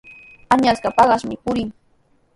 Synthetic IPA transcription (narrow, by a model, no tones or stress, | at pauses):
aɲaskapɑɢɑʃmɪpʊɾɪŋ